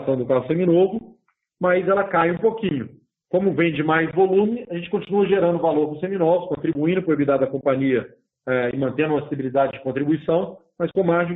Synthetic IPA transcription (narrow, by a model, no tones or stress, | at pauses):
sɐ̃w̃d̪ʊkaɦʊsẽminovʊ | mɐjzɛlɐkajũpokĩɲʊ | kõmʊvẽj̃d͡ʒɪmajzvolũmɪaʒẽnt͡ʃɪ̥kõt͡ʃinuɐʒeɾɐ̃nd̪ʊvaloɾpoʊ̃sẽminɔzʊskõnt̪ɾibuĩnd̪ʊpɾoibid̪ad̪ɐkõmpɐ̃ɲiɐ | ɛɪmɐ̃nt̪ẽnd̪ʊũmasesibilid̪ad͡ʒɪd͡ʒɪkõnt̪ɾibuisɐ̃w̃mɐskõmaɾd͡ʒɪ̃